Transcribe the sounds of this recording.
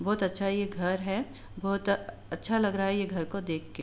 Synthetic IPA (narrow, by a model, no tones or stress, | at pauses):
bɔːt̪ɐtːʃʰajeɡʱɐɾɦɛ | bɔːʊt̪ | ɐtːʃʰalɐɡɾaaɦɛjeɡʱɐɾkod̪eːkʰːe